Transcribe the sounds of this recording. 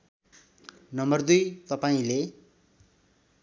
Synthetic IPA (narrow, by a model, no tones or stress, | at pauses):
nʌmbʌrd̪ujt̪ʌpaĩle